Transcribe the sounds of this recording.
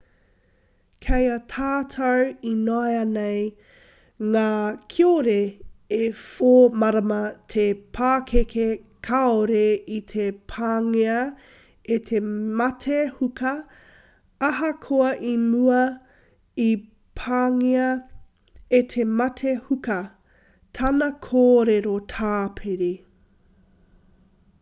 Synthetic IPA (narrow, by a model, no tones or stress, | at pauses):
kʰejɐtʰaːtʰɐwinoeɐnej | ŋaːkʰioɾeː | foːmɐɾɐmɐtʰepʰaːkʰekʰekʰaoɾeit̪ʰepʰaːŋeɐ | etʰemɐtʰehukʰɐ | ɐɦɐkʰoɐʔimuɐ | i | pʰaːŋeɐ | et̪ʰemɐtʰehukɐ | tʰɐnɐkʰoːɾeɾotʰaːpʰeɾi